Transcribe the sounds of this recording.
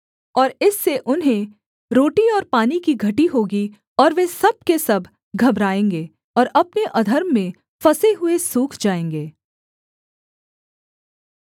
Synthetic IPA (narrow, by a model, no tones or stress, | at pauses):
ɔːɾɪsːeʔʊnɦẽ | ɾoːʈiɔːɾpaːnikiɡʱɐʈiɦoːɡi | ɔːɾʋesɐb̚kesɐbʱ | ɡʱɐbɾaːẽːŋɡeː | ɔːɾɐpneʔɐd̪ʱəɾmːẽ | fɐseɦʊesuːkʰd͡ʒaːẽːŋɡeː